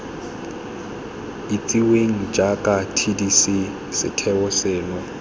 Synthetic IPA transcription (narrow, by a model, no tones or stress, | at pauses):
it͡sʼiweŋ̩d͡ʒakʼatʰidisi | sɪ̰tʰɛwɔsɛːnɔ